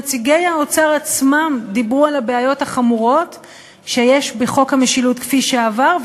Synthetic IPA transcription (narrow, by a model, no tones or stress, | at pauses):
t͡siɡejaot͡saʁat͡smamd̪ibʁualabeajo̞thaχamuʁo̞t | ʃejeʃbeχo̞khameʃilut̪kfiʃeavaʁv